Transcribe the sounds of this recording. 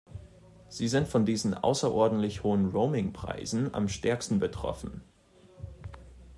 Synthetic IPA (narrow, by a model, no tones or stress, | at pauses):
z̥iːzɪntfɔndiːzn̩ʔa̰ʊsɐʔɔɐdn̩tlɪçhoːənʁoʊmɪŋpʁ̥a̰ɪzn̩a̰mʃtɛɐkstn̩bətʁ̥ɔ̰fn̩